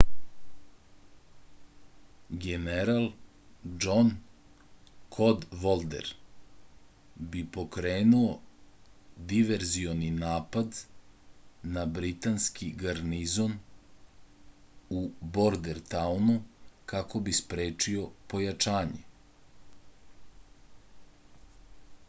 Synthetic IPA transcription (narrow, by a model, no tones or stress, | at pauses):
ɡeneɾalˠ | d͡ʒon | kʰo̞d̪ʋolˠd̪ḛɾ | bipo̞kɾeːnuo | d̪iʋeɾzioninaːpad̪ | nabɾit̪anskiɡaɾnizo̞n | ubo̞ɾd̪eɾt̪awnukako̞bispɾeːt͡ʂio̞po̞jat͡ʃaːɲe